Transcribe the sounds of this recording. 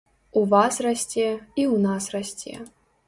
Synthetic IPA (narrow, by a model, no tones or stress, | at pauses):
uvasrasʲt͡sʲeiwnasrasʲtʲḛ